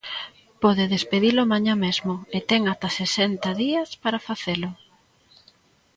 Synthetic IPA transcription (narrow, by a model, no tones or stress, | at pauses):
pɔðɪðespeðilʊmaɲãmezmʊet̪ɛŋat̪asesent̪ɐðiɐspaɾafaθelʊ